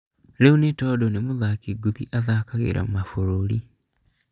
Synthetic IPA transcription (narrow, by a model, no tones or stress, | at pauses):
ɾeunetɔːdɔnemoðaːkiɡuðiʔaðakaɣḛɾʔa̰mafoɾoɾi